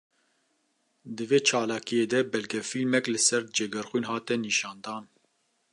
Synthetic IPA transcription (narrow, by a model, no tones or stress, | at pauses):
d̪ɨveːt͡ʃʰɑːlɑːkijeːd̪ɛbɛlɡɛfilmɛklɨsɛɾd͡ʒɛɡɛɾxʷwiːnɦɑːt̪ɛniːʃɑːnd̪ɑːn